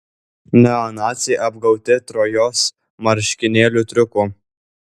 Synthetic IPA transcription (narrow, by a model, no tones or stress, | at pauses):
nʲɛɔnɑːt̪sʲɛʔɐbɡɐʊt̪ʲɪt̪ɾoːjoːs | mɐɾʲʃʲkʲɪnʲeːlʲuːt̪ʲɾʲʊkuː